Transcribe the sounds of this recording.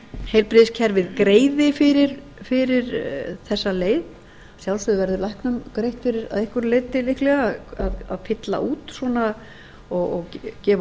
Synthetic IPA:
hejlpɾɪðɪscʰɛɾvɪðkɾeːjðɪfɪɾɪɾ̥ | fɪɾɪɾ̥θɛsːaleːjð | sjawlsʏðʏvɛɾðʏɾlajhknʏmkɾejht̪fɪɾɪɾa̰ðɪhkvʏɾlejðt̪ːɪlɪhklɛɣaaðaðfɪt̪la̰ʔuːt̪swɔna | ɔɣɔɣcɛːv

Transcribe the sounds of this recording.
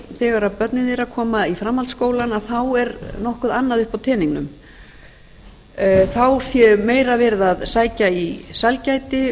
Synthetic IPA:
θɛːɣaɾaðpœt̪nɪðɛɾaðkʰɔːmaifɾamːalt̪skoːwlanaðθawɛɾnɔhkʏðanːaðʏhpawt̪ʰɛːniŋknʏ̰m | θawsjɛmeːjɾavɛɾðaðsaːjcaisalcajt̪ɪ

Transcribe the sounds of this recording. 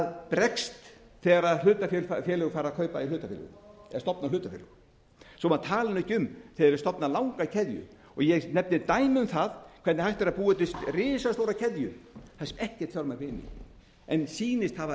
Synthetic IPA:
ðpɾɛkst̪ | θɛːɣaɾaðlʏːt̪afɛlfafjɛːlʏɣfaːɾakʰœːɥpailʏːt̪afɛ̰lʏ̰ɣɛst̪ɔpnalʏːt̪afɛ̰lʏ̰ɣ | sɔmaðt̪ʰaːlɪnɛhcːʏmθɛðɛɾst̪ɔpnalawŋkaicʰɛðjʏ̰ | ɔɣjɛɣnɛpnɪt̪aːjmʏmθaðkʰɛt̪nɪhajht̪ɛɾaðpuːɛt̪ɪst̪rɪːsast̪oːwɾacʰɛðjʏθɛsɛmɛhcɛ̥t̪θjɔɾmakʰvɪnːɪ̰ | ɛnsiːnɪst̪hava

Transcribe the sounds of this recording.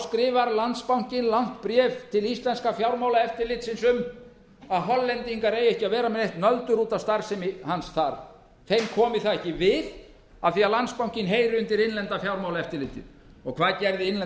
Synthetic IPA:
skɾɪːvaɾlant̪spawŋ̥cɪnlawn̥t̪pɾɛːvt̪ʰɪlist̪lɛnskafjawɾmaːwlaɛft̪ɪɾlɪt̪sɪnsʏm | aðɦɔlːɛnt̪iŋkaɾeːjɛhcɪaðvɛːɾamɛnɛjht̪nœðt̪ʏɾuːt̪avst̪aɾ̥sɛmɪhansθaɾ̥ | θejmkʰɔːmɪθaðɛhcɪvɪð | aθiaðlant̪spawŋ̥cɪnɦeːjɾɪʏnt̪ɪɾɪnlɛnt̪afjawɾmawlaɛft̪ɪlɪːt̪ɪ̰n | ɔɣkʰvaːðcɛɾðɪɪnlɛ

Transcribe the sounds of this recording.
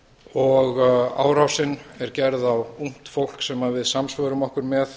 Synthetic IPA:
ɔɣa̰ːwɾawsɪnːɛɾcɛɾðawuŋ̥t̪fowl̥ksɛmaðvɪðsamsvœːɾʏmɔhkʏɾmɛθ

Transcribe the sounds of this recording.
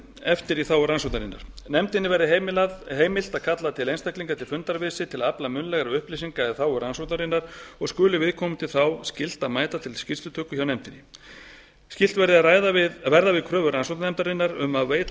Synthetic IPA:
ɛft̪ɪɾiθawʏɾransɔt̪aɾinːa̰ɾ̥nɛmt̪ɪnːɪvɛɾðɪɦeaɦeːjmɪl̥t̪aðkʰat̪lat̪ʰɪlejnst̪ahkliŋkat̪ʰɪlfʏnt̪aɾvɪːsɪt̪ʰɪlaplamʏnlɛɣaɾʏhplisiŋkaɛðθawʏɾansɔnt̪aɾinːaɾ̥ɔɣskʏːlʏvɪðkʰɔmʏt̪ʰɪlθawscɪl̥t̪aðmaːjt̪at̪ʰɪlscɪst̪ʏt̪ʰœːkʏçawnɛmt̪ɪnɪ | scɪl̥t̪vɛɾðɪaðraːjðaɪvɛɾðavɪðkʰɾœːvʏɾansɔt̪nɛmt̪aɾɪnːaɾʏmaðveːjt̪

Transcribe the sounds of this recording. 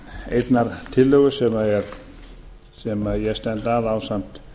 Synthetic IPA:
ejt̪naɾt̪ʰɪlːœːɣʏsɛmaɛɾ | sɛmaðjɛɣst̪ɛnt̪aðawsam̥t̪

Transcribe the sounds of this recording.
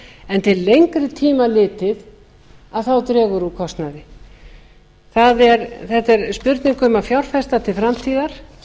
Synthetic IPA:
ɛnt̪ʰɪlːejŋkɾɪt̪ʰiːmalɪːt̪ɪð | aðθawt̪ɾɛːɣʏɾukʰɔst̪naðɪ | θaðɛɾθɛht̪ɛɾspʏɾt̪nɪŋkʏmafjawɾ̥fɛst̪at̪ʰɪlfɾamt̪ʰiːðaɾ̥

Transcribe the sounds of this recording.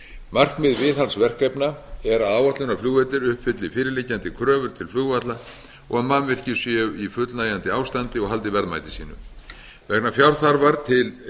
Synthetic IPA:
mar̥kmɪðvɪːðɦansvɛr̥kɛjpnaɛɾaðaːwat̪lʏnafluːɣvɛt̪lɪɾʏhpfɪt̪lɪfɪːɾɪlɪcːant̪ɪkʰɾœːvʏɾ̥t̪ʰɪlflʏɣvat̪la | ɔɣamːanmvɪr̥cɪsjɛifʏt̪lnaːjant̪ɪaːwst̪ant̪ɪɔɣɦalt̪ɪvɛɾðma̰jt̪ɪsiːnʏ̰ | vɛknafjawɾ̥θaɾvaɾt̪ʰɪl

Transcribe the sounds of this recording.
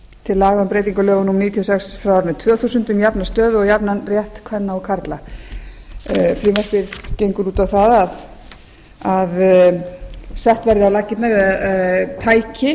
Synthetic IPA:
t̪ʰɪlːaːɣðampɾeːjt̪iŋkalœːɣʏnumniːt̪ʰiɔsɛksfɾawaɾnʏt̪ʰv̥œːθusʏnt̪ʏmjapnast̪œːðʏɔɣjapnanrjɛht̪kʰvɛnːaɔkʰaɾt̪la | fɾɪːvɛr̥pɪɾ̥cejŋkʏɾuːt̪awθaðað | að | sɛht̪vɛɾðɪalacːɪt̪navɪðaðt̪ʰaːjcɪ

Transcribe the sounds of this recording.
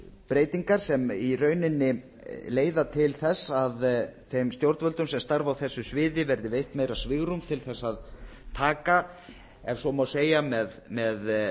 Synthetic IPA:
pɾeːjt̪iŋkaɾ̥sɛmirœːɥnɪnːɪ | leːjðat̪ʰɪlθɛsaðθejmst̪jowɾt̪vœlt̪ʏmsɛmst̪aɾvawθɛsːʏsvɪːðɪvɛɾðɪvejht̪meːjɾasvɪɣɾumt̪ʰɪlθɛsːaðt̪ʰaːka | ɛv̥sɔmawseːjamɛðmɛð

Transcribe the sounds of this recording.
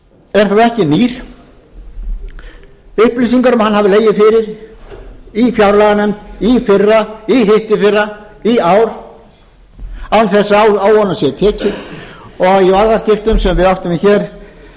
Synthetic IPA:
ɛɾ̥θaðɛhcɪniːɾ̥ | ʏhplisiŋkaɾʏmhanːhavɪleːjɪfɪɾɪɾ | ifjawɾlaɣanɛmt̪ifɪrːaiɦɪht̪ɪfɪra | iaːwɾ | awnθɛsːawawɔnːasjɛt̪ʰɛːcɪ | ɔɣiaɾðascɪft̪ʏmsɛmvɪðawht̪ʏmiçɛːɾ̥

